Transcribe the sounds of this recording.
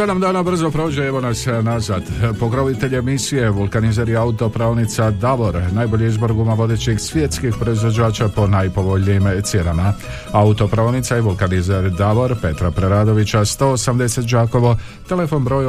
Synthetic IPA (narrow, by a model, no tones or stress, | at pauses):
sed̪amd̪aːnabr̩zo̞pɾo̞ːd͡ʒeeʋo̞nasnazaːd̪po̞kɾoʋit̪e̞ʎemisije̞ʋulˠkanizaɾjeaut̪o̞pɾaolnit̪sad̪aʋo̞ɾnajbo̞ʎiizboɾɡumaʋo̞d̪eːt͡ɕixsʋjet̪skixpɾo̞izʋod͡ʒaːt͡ʃapo̞najpo̞bo̞ʎiimt̪sje̞nama | aut̪o̞pɾanit̪sajeʋulkanizaɾd̪aʋoɾpe̞t̪ɾapɾeɾaːd̪o̞ʋit͡ɕast̪o̞ːsamd̪e̞se̞t̪̚d͡ʒaːko̞ʋo̞ | t̪e̞le̞fo̞nbɾo̞ːj